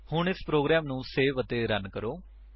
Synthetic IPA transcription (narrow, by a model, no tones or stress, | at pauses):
hʊɳɪspɾoːɡɾɛːmnũːseːʋət̪eːɾənkəɾoː